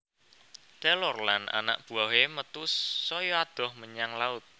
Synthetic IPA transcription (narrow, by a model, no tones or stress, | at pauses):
t̪ɛlɔrlana̰na̰ʔb̥ṳaɦemət̪usːɔjɔad̪̥ɔ̤hməɲaŋlaʊt̪̚